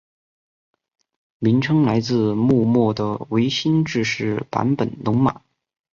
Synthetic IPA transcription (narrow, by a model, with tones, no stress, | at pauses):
mi˧˥ŋʈ͡ʂʰɤ˥ŋla˧˥ɪt͡sɹ̩˥˧mu˥˧mɔ˥˩d̪ə˩we˧˥ɪɕi˥nʈ͡ʂɻ̩˥˧ʂɻ̩˥˩pa̰˧˥npə˨˩nt̪ʊ˧˥ŋma̰˨˩˦